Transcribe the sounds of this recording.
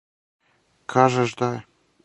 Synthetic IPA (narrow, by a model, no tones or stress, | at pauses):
kʰɑʒɤ̆ʒd̪ɑ